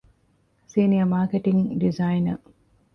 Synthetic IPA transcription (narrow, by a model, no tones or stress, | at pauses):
siːniɐmaːkeʈiŋɖizainɐ